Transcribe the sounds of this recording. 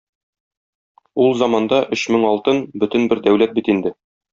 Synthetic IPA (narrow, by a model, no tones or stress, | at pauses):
ulˠzɑmɑnd̪ɑʔɵɕmɘŋɒlˠt̪ɤnbɵ̆t̪ɘ̆nbɘɾd̪æwlæt̪̚bit̪ind̪ɘ